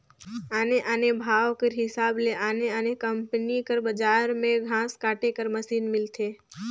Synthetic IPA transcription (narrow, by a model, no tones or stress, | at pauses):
aːneʔaːnebʱaːwkeɾɦɪsaːbleʔaːneaːnekə̃mpnikəɾbɐd͡ʒaːɾmẽɡʱãːskaːʈekəɾmɐsiːnmɪlt̪ʰeː